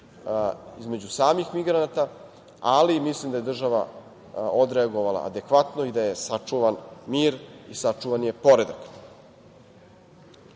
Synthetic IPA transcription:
izme̞d͡ʑusaːmixmiɡɾanat̪a | alimislimd̪ajed̪r̩ʒaʋa̰ | od̪ɾeaɡo̞ʋala̰a̰d̪e̞kʋat̪noid̪aje̞sat͡ʂuʋanmiːɾisat͡ʂuʋanje̞po̞ɾe̞d̪ak

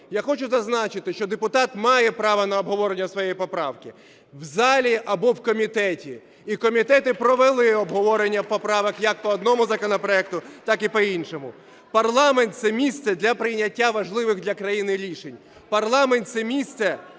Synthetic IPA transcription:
jaxɔt͡ʃʊzɐznɑt͡ʃɪt̪ɪʃt͡ʃɔd̪epʊt̪ɑt̪mɑjɛpɾɑʋɐnɐɔbɦɔʋɔɾenʲːɐsʋɔjejipɔpɾɑwkɪ | wzɑlʲiʔɐbɔwkɔmʲit̪ɛtʲiː | kɔmʲit̪ɛt̪ɪpɾɔʋelˠɪɔbɦɔʋɔɾenʲːɐwpɔpɾɑʋɐkjɐk̚pɔɔd̪nɔmʊzɐkɔnɔpɾɔɛk̚t̪ʊt̪ɑkipɔinʃɔmʊ | pɐrlˠɑment̪sɛmʲist̪sɛd̪lʲɐpɾɪjnʲːɐtʲːaʋɐʒlˠɪʋɪɣd̪lʲɐkɾɐjinɪɾʲiʃenʲ | pɐrlˠɑment̪sɛmʲist̪sɛ

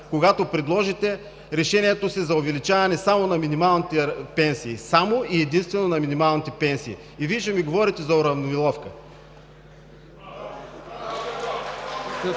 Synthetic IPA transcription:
koɡat̪opɾɛd̪lˠɔʒit̪ɛ | ɾɛʃɛniɛt̪osizɐovɛlit͡ʃavɐnɛsamonɐminimalˠnit̪ɛpɛnsiːsamoiɛd̪inst̪vɛnonɐminimalˠnit̪ɛpɛnsiː | iviʒɛmiɡovɔɾit̪ɛzɐoɾɐvnovilˠɔfkə

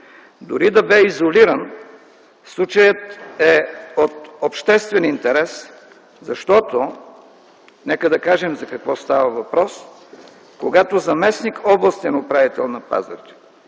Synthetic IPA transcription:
d̪ʊɾid̪ɐbɛizoliɾən | slˠut͡ʃəjət̪ɛot̪opʃt̪ɛst̪vɛnint̪ɛɾɛs | zɐʃt̪ɔt̪o | nɛkəd̪ɐkaʒɛmzɐkɐkvɔst̪avɐvɐpɾɔs | koɡat̪ozɐmɛsnikɔblˠɐst̪ɛnopɾavit̪ɛlˠnɐpa̰zə̰t͡ʃɛ̥

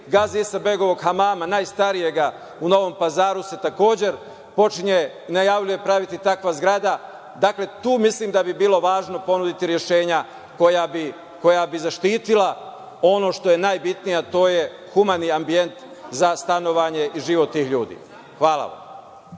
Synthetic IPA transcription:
ɡaːzisabe̞ɡo̞ʋo̞ɡxamaːmanaːjst̪aɾije̞ɡa | uno̞ʋo̞mpazaːɾuse̞t̪ako̞ːd͡ʑe̞ɾ | po̞t͡ʃiɲe | inajaʋʎuje̞pɾaʋit̪it̪akʋazɡɾad̪a | d̪akle̞t̪uːmisliːmd̪abibiːlo̞ʋaːʒno̞po̞nud̪it̪iɾjeʃe̞ːɲa | kojabi | ko̞jabizaʃt̪iːt̪ila | o̞no̞ʃt̪o̞je̞najbit̪nijat̪o̞ːje | xumaniambie̞nt̪ | zast̪ano̞ʋaːɲe̞ʔiʒiʋo̞t̪ːiːxʎuːd̪ḭː | xʋaːlˠa̰ʋa̰m

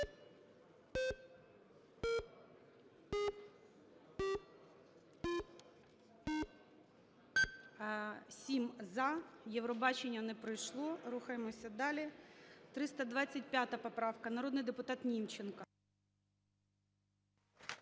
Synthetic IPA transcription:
sʲimzɐjɛʋɾɔbɑt͡ʃenʲːɐnɛpɾɪjʃlˠɔɾuxɐjemɔsʲɐd̪ɑlʲit̪ɾɪst̪ɐd̪ʋɑt͡sʲːɐt̚ʲpʲjat̪ɐpɔpɾɑwkɐnɐɾɔd̪nɪjd̪epʊt̪ɑt̪nʲimt͡ʃenkɐ

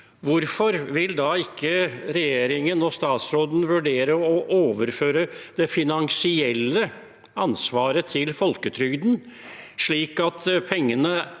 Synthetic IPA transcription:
ʋʊɾfɔɾʋɪld̪ɑɪkʰːəɾɛjeːɾɪŋənɔst̪ɑːt̪sɾoːd̪n̩ʋʉɖeːɾəɔʔoːʋəɾføːɾəd̪̥ɛfɪnɑŋsɪɛlːə | ɑnsʋɑːɾət̪ʰɪlfɔlkət̪ʰɾʏɡd̪n̩ʂɭiːkɑt̪pʰɛŋːənə

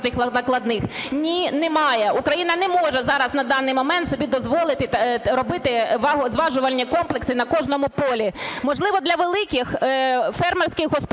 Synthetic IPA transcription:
nɪxnɐnɐklˠɐd̪nɪxnʲinɛmɑjɛʔukɾɐjinɐnɛmɔʒɛzɑɾɐznɐd̪ɑnːɪjmɔmɛnt̪sɔbʲid̪ɔzʋɔlˠɪt̪ɪɾɔbɪt̪ɪʋɑɦɔzʋɑʒʊʋɐlʲːɐkɔmplˠeksɪnɐkɔʒnɔmʊpɔlʲimɔʒlˠɪʋɔd̪lʲɐʋelˠɪkʲɪxfɛrmɛrsʲkɪɣɦɔsp

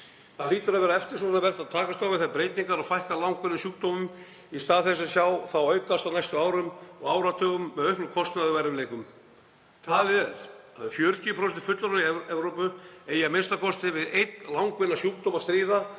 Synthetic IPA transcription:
θaliːt̪ʏɾaðvɛːɾaɛft̪ɪɾ̥sɔavɛr̥t̪aðt̪ʰaːkast̪awvɪθapɾejt̪niŋkaɾaðfajhkalawŋkvɪnːasjuːkt̪owmʏm | ist̪aːðθɛs̬ɛsjawθawœːɥkast̪awnajst̪ʏaːwɾʏmɔɣaːwɾat̪ʰœːɣʏmːɛðœhplʏkʰɔst̪naðʏvajɾɪmleːjkʏm | t̪ʰaːlɾaðfjœɾcipɾɔsɛt̪ɪ̥fʏt̪laɾʏiɛɛvɾowpʏejamenst̪akʰɔst̪ɪvɪðejt̪lawŋkvɪnːasjuːk̚t̪owmast̪ɾiːða

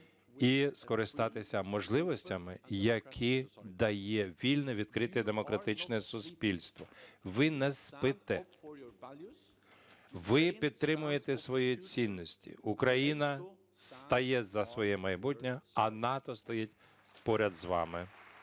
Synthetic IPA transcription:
iskɔɾɪst̪ɑt̪ɪsʲɐmɔʒlˠɪʋɔsʲtʲɐmɪjɐkʰid̪ɐjɛʋʲilʲnɔʋʲid̪̥̚kɾɪt̪ɪd̪emɔkɾɐt̪ɪt͡ʃnɛsʊspʲilʲst̪ʋɔʋɪnɛspɪt̪ɛ | ʋɪpʲid̪̚t̪ːɾɪmʊjet̪ɛsʋɔjit͡sʲinːɔsʲtʲḭukɾɐjinɐ | st̪ɐjɛzɐsʋɔjɛmɐjbutʲnʲɐɐnɑt̪ɔst̪ɔjɛtʲ | pɔɾʲɐd̪zʋɑ̰mɪ

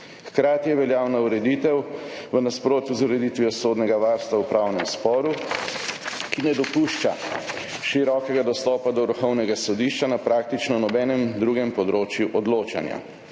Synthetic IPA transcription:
xkɾaːt̪ijɛʋɛljaːwnauɾɛd̪it̪ɛwʋənaspɾoːt̪juzuɾɛd̪it̪ʋijɔsoːd̪nɛɡaʋaɾst̪ʋawpɾawnɛmspɔːɾu | kinɛd̪ɔpuʃt͡ʃa̰ | ʃiɾɔːkɛɡad̪ɔst̪ɔːpad̪ɔɾuxɔwnɛɡasɔd̪iʃt͡ʃanapɾaːk̚t̪it͡ʃnɔwnɔbɛːnɛmd̪ɾuːɡɛmpɔd̪ɾoːt͡ʃjuʔɔd̪loːt͡ʃa̰nja̰

